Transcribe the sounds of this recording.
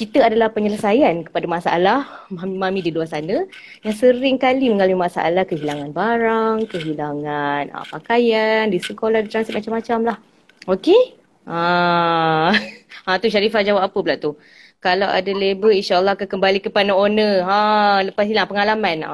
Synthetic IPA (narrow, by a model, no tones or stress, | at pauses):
kit̪əadalahpəɲələsajankə̥padamasaʔa̰lahmamimamĩdiluasanə | jaŋsəɾɪŋkaliməŋalamimasaʔa̰lahkəɦilaŋanbaɾaŋkəɦilaŋanə̰pakajandisəkolahdit̪ɾansit̪̚mat͡ʃamːat͡ʃamlah | oke | ʔa | at̪uʃaɾifad͡ʒawapapəbəlaʔt̪u | kalawʔa̰dalebəinʃaʔəlˠːɔhkakəmbalikəpanəonəaləpasilaŋpəŋalamana̰